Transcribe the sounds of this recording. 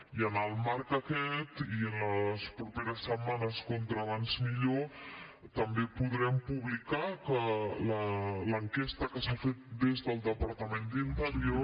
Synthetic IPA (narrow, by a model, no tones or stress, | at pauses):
iənəlˠmaɾkəkɛt̪iənləspɾupeɾəsːəmanəskont̪ɾəβanzmiʎot̪əmbepuðɾɛmpuβlikakələləŋkɛst̪əkəsafet̪̚d̪ezðəlˠd̪əpəɾt̪əmend̪int̪əɾio